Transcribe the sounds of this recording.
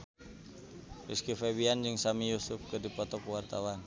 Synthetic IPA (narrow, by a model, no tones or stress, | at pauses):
miskifewiand͡ʒɨŋsamijusʊfkədipɔt̪ɔkuwart̪awan